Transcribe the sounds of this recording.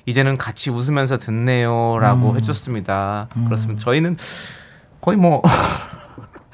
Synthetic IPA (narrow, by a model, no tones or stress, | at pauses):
id͡ʑe̞nɯnkat͡ɕʰius̬ʰɯmjʌns̬ʰʌtɯnːe̞joɾaɡoɦe̞d͡ʑʌs͈ɯmɲidakɯɾʌs͈ɯmdt͡ɕʌinɯn | kʌimwʌ